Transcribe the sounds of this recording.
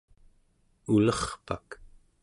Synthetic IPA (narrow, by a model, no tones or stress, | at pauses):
ulʌχpak